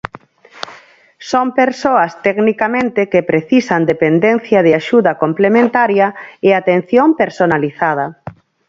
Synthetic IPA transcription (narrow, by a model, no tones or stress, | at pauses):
sompeɾsoɐst̪ɛɡnikamẽnt̪ɪkepɾeθisand̪epend̪en̟θjɐð̞ɪaʃuðɐkomplemẽnt̪aɾjɐeat̪en̟θjompeɾsonaliθað̞ɐ